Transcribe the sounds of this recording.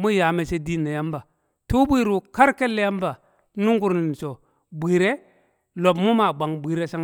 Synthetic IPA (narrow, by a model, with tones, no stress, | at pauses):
mu˦ja˨me˨se˦di˦nːa˨ja˦mba˨ | tu˦bi˦ɾu˨ka˦ɾke˦lːe˦ja˦m˦ba˨ | nu˦ŋɡu˦ɾni˨n˨so˨ | bʷi˨ɾe˦ | lo˨p̬mu˦ma˨ɡ͡ba˨ŋbʷi˨ɾe˦sa˦